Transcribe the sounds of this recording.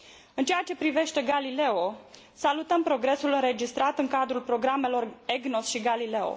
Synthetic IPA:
ɨnt͡ʃe̞at͡ʃe̞pɾive̞ʃt̪e̞ɡalile̞o̞ | salut̪əmpɾo̞ɡɾe̞sulɨnɾe̞d͡ʒist̪ɾat̪ɨŋkad̪ɾulpɾo̞ɡɾame̞lo̞re̞ɡno̞sʃiɡalileo̰

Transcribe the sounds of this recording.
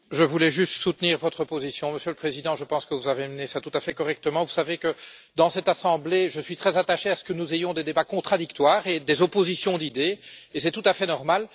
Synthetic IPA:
ʒəvulɛʒyst̪sut̪niːʁvɔt̪χəpozisjɔ̃məsjøləpχezid̪ɑ̃ʒəpɑ̃skəvuzavemənesat̪ut̪afɛkɔʁɛk̚t̪əmɑ̃vusavekə | d̪ɑ̃sɛt̪asɑ̃bleʒəsɥit̪χɛzat̪aʃeasə̥kənuzejɔ̃d̪ed̪ebakɔ̃t̪χad̪ikt̪waːʁed̪ezopozisjɔ̃d̪id̪eːsɛt̪ut̪afɛnɔʁmal

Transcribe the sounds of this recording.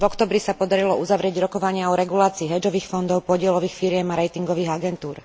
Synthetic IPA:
vɔkt̪ɔbɾisapɔd̪aɾilɔuzaʋɾɪɛɟɾɔkɔʋaɲɪaɔɾɛɡulaːt͡siːɦɛd͡ʒɔʋiːxfɔnd̪ɔʊpɔɟɪɛlɔʋiːxfiɾɪɛmaɾɛjt̪iŋɡɔʋiːɣaɡɛnt̪uːɾ

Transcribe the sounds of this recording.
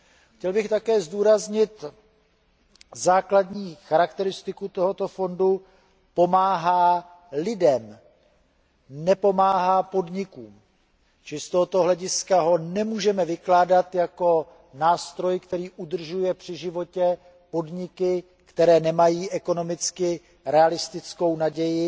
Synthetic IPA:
xcɛlbɪxt̪akɛːzduːɾazɲɪt̪ | zaːkladɲiːxaɾakt̪ɛɾɪst̪ɪkut̪o̞ɦo̞t̪o̞fo̞ndu | po̞maːɦaː | lɪdɛm | nɛpo̞maːɦaːpo̞dɲɪkuːm | t͡ʃɪst̪oɦot̪o̞ɦlɛɟɪskaɦo̞nɛmuːʒɛmɛvɪklaːdat̪jako̞ | naːst̪ɾo̞jkt̪ɛɾiːʔud̪r̩ʒujɛpr̝̥ɪʒɪvo̞cɛ | po̞dɲɪkɪ | kt̪ɛɾɛːnɛmajiːʔɛko̞no̞mɪt͡skɪ | ɾɛalɪst̪ɪt͡sko̞wnaɟɛjɪ

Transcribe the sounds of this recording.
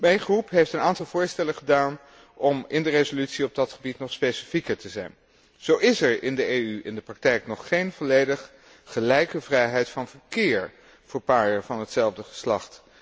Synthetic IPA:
mɛjnχrupɦejftənaːntɑlˠvʊːɹstɛlənχədaːn | ʔɔmɪndərezolytsiɔb̚dɑtχəbitnɔχspejsi̥fikəɹtəzɛ̰jn | z̥owɪsɛɹɪndəeːyʔɪndəprɑk̚tɛjknɔχːejnv̥ɔlejdəχː | əlɛjkəvrɛjɦɛjtfɑnvəɹkɪːɹ | v̥əɹpaːɹəɹvɑnɦətsɛlˠvdəχə̥slɑχt

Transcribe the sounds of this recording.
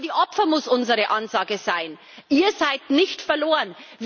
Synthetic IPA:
diːʔɔpfɐmʊsʔʊnzəʁəʔɑnzaːɡəz̥aɪn | ʔiːɐzaɪtnɪçtfɛɐloːʁənv

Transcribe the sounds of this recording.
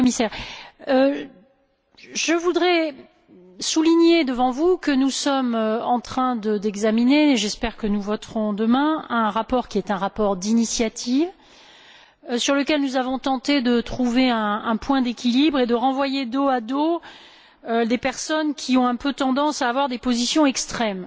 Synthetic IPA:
misɛʁø | ʒəvud̪ʁɛ | suliɲed̪əvɑ̃vukənusɔmøɑ̃t̪χɛ̃d̪əd̪ɛɡzamineːʒɛspɛʁkənuvɔt̪ʁɔ̃d̪əmɛ̃ɛ̃ʁapɔʁkʲiɛt̪ɛ̃ʁapɔʁd̪inisjat̪ʰiv | syʁləkʲɛlnuzavɔ̃t̪ɑ̃t̪ed̪ət̪χuveɛ̃ːpwɛ̃d̪ekʲilibʁed̪əʁɑ̃vwajed̪oad̪o | ød̪epɛʁsɔnkʲʰiɔ̃ɛ̃pøt̪ɑ̃d̪ɑ̃saːvwaʁd̪epozisjɔ̃ɛkst̪χɛm

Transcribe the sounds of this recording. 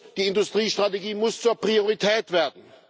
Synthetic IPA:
d̥iːɪndʊstʁ̥iːʃtʁ̥ateɡiːmʊst͡suːɐpʁ̥ioʁitʰɛːtv̥eːɐdn̩

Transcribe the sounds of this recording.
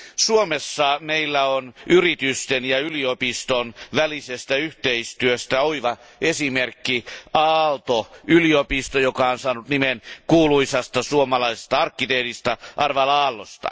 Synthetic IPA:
suomesːɑmeilːæonyrit̪yst̪enjɑyliopist̪onʋælisest̪æyht̪eist̪yøst̪æoiʋɑ | esimerkːiɑːlt̪oyliopist̪ojokɑonsɑːnut̪nimenkuːluisɑst̪ɑsuomɑlɑise̥st̪ɑɑrkːit̪eːt̪ist̪ɑʔɑrʋɑlɑːlːost̪ɑ̰

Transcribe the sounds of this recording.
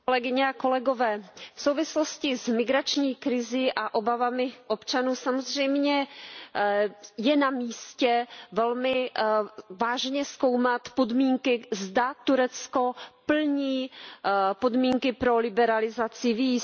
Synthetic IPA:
lɛɡɪɲɛako̞lɛɡo̞vɛːfsowvɪslo̞scɪzmɪɡɾat͡ʃɲiːkɾɪziʔaʔo̞bavamɪʔo̞pt͡ʃanuːsamozr̝ɛjmɲɛ | jɛnamiːscɛvɛlmɪ | vaːʒɲɛsko̞wmat̪podmiːŋkɪzdat̪uɾɛt͡sko̞pl̩ɲiː | po̞dmiːŋkɪpɾo̞lɪbɛɾalɪzat͡sɪviːs

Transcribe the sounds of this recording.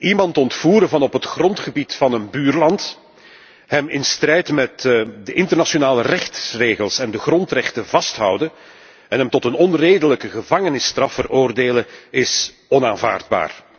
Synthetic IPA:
imɑntɔntfuːɾəvɑnɔpɦətxrɔntχəbitfɑnənbyːrlɑnt | hɛmɪnstrɛjtmɛtdəʔɪntərnasonaːlərɛxtsreːɣəlˠsɛndəɣrɔntrɛxtəvɑstɦʌ̰wdən | ɛnɦɛmtɔtənɔnreːdələkəɣəvɑŋənɪstrɑfəroːrdeːləɪs | ɔnaːnva̰ːrd̚ba̰ːr

